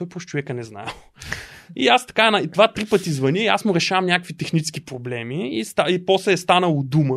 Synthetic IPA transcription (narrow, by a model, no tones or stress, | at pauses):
ɔjpɾoʃt͡ʃovɛkənɛzna̰lˠ | iast̪ɐ̥kaɛnɐt̪ovat̪ɾipɤt̪izvɐniɛiasmʊɾɛʃavəmnʲakəkvit̪ɛxnit͡ʃɛ̥skipɾoblɛmiist̪aipɔslɛːst̪anəlˠod̪umə